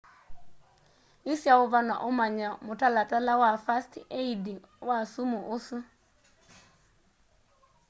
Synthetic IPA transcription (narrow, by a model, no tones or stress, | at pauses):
isiaʊvanaʔʊmaɲamʊtalatalawafastiʔeidiŋwasumuʔʊsɨ